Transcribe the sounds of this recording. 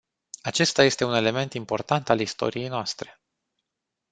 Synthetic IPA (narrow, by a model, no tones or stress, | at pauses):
at͡ʃe̞st̪aje̞st̪e̞une̞le̞me̞nt̪impo̞rt̪ant̪alist̪o̞̰ɾije̞jnoast̪ɾe̞̥